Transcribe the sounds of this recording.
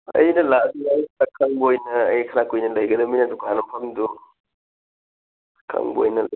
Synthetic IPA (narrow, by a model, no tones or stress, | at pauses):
ɐ̰jnɐlaʔd̪uɐjɾakʰɐŋbojnɐɐ̰jkʰɐɾakojnɐlɐjɡɐd̪ɐminɐd̪uɡanɐmpʰɐmd̪u | kʰɐ̰ŋbo̰jnɐl